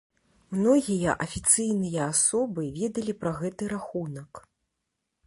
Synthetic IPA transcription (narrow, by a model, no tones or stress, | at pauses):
mnɔɣʲijɐ̰ʔɐfʲit̪sɨjnɨjɐasɔbɨvʲɛd̪ɐlʲipɾɐɣɛt̪ɨɾaxunɐk